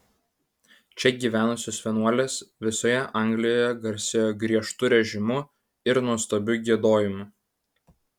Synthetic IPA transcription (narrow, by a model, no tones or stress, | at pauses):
t͡ʃʲɛɡʲiːʋʲæːnʊsʲoːsfʲiɛnuɔlʲeːsʋʲɪsoːjɛʔɐˑŋʲɡlʲɪjoːjɛɡɐɾʲsʲɪjoːɡɾʲiɛʃt̪ʊɾʲɛʒʲɪmʊ | ɪɾnuɔst̪oːbʲʊɡʲiɛd̪oːjɪmʊ